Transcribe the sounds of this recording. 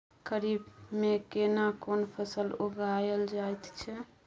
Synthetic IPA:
ɡəɾibmekenakonpʰəsəluɡajəld͡ʒajt̪t͡ʃʰɛ

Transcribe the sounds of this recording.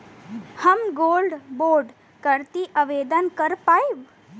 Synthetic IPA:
həmɡoːlɖboːɾɖ | kəɾt̪iʔəʋeːd̪ənkəɾpaiʋ

